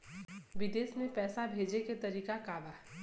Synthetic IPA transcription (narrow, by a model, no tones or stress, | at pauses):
ʋɪd̪eːsmẽpɛːsabʱeːd͡ʒeket̪ɐɾiːkakaːʋaː